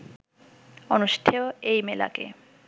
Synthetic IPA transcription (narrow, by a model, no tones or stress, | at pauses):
ɔnʊʃi̥tʰɛɔeimɛla̰kʼɛ̰